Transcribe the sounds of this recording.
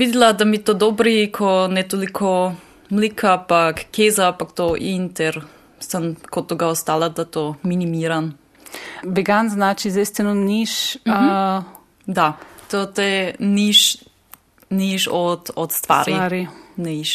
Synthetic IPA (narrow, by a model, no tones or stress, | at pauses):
ʋid̪lad̪amit̪od̪obɾikʰonɛt̪olikʰo | mlikʰapakːezapakt̪oʔint̪ɛɾ | sənkot̪oɡaost̪aːlad̪at̪ominimiːɾan | vɛɡanznaːt͡ʃizd̪est̪ɛnoniʃ | d̪at̪ot̪ɛniʃ | niʃɔt̪ɔt̪st̪ʋa̰ːɾjɾinɛiʃ